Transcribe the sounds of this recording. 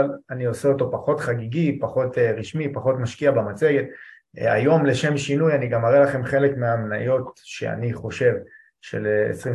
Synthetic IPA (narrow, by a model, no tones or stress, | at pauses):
lanio̞seo̞to̞paχo̞tχaɡiɡipaχo̞tʁiʃmipaχo̞tmaʃkiabamat͡se̞ɡe̞t | a̰jo̞mle̞ʃe̞mʃinujaniɡamaʁelaχe̞mχe̞le̞kmeamna̰jo̞tʃe̞̰a̰niχo̞ʃe̞v | ʃe̞̰leḛsʁi